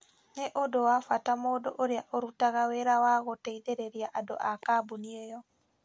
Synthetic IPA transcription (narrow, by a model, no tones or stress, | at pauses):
neʔodowafwatamoːdoʔoɾeaʔoɾutaɣaweɾawaɣoteiðeɾeɾiaʔadoʔakaːboniejɔ